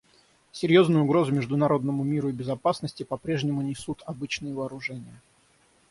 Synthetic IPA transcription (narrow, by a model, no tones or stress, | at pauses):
sʲɪɾʲjo̞znʊjʊʊɡɾo̞zʊmʲɪʐd̪ʊnɐɾo̞d̪nəmʊmʲiɾʊɪbʲɪzɐpasnəsʲtʲɪpɐpɾʲe̞ʐnʲɪmʊnʲɪsut̪ʰɐbɨt͡ɕnɨjəvəːɾʊʐɛnʲɪjə